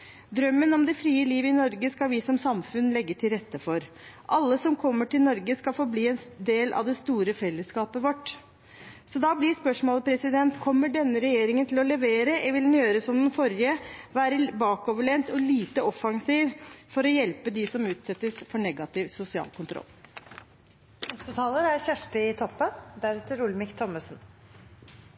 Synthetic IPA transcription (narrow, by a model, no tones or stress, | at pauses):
d̪ɾœmːənɔmd̪ɛfɾiːəliːʋɪnɔɾɡəskɑlʋɪsɔmsɑmfʉnlɛɡːət̪ʰɪlɾɛt̪ːəfɔɾ | ʔɑlːəsɔmkʰɔmːəʈɪlnɔɾɡəskɑlfɔːbliːɛnd̪eːlʔɑ̰ʋd̪ɛst̪uːɾəfɛlːəskɑːpəʋɔʈː | sɔd̪ɑblɪspœʂmoːlpʰɾɛsɪd̪ɛnt̪kʰɔmːəɖɛnːəɾɛjeːɾɪŋənt̪ʰɪlɔlɛʋeːɾəʋɪld̪ɛnjøːɾəsɔmd̪ɛnfɔɾjɪəʋæːɾəbɑːkoːʋəɭɛnt̪ɔliːt̪əɔfɑŋsiːʋfɔɾɔjɛlpəd̪ɪsɔmʉːt̪sɛt̪ːəsfɔɳɛɡɑt̪ɪʋsʊsɪɑ̰ːlkʊnt̪ʰɾɔ̰lː | nɛst̪ət̪ʰɑːləɾæɾçæʂʈəɪt̪ʰɔpːənd̪æɾɛt̪əɾʊlmɪkt̪ʰɔmːəsn